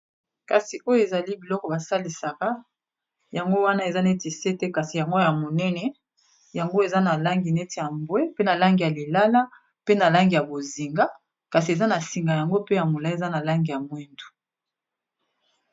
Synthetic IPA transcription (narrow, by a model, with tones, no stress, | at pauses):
ka˨si˨ʔo˦jo˦e˨za˨li˦bi˨lɔ˦kɔ˨ba˨sa˦li˨sa˨ka˦ | ja˨ŋɡo˦wa˦na˦e˨za˦ne˦ti˨se˦te˦ka˨si˨ja˨ŋɡo˦ja˨mo˨nɛ˦nɛ˨ | ja˨ŋɡo˦e˨za˦na˨la˦ŋɡi˨ne˦ti˨ja˨mbwe˦pe˦na˨la˦ŋɡi˨ja˨li˨la˦la˦ | pe˦na˨la˦ŋɡi˨ja˨bo˨zi˨ŋɡa˦ | ka˨si˨e˨za˦na˨si˨ŋɡa˨ja˨ŋɡo˦pe˦ja˨mo˨la˦e˨za˦na˨la˦ŋɡi˨ja˨mwe˦ndu̥˨